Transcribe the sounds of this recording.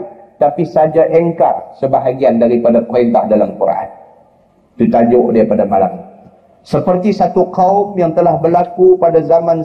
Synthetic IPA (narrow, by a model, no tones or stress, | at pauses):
t̪apisad͡ʒaʔɛŋka̰rsəbaɦaɡiandaɾipadapɛnbahdalamkuɾ̰ʔa̰n | t̪ut̪ad͡ʒoʔdiapadamala̰m | səpərt̪isat̪ukaʊmjaŋt̪əlahbərlakupadazamãn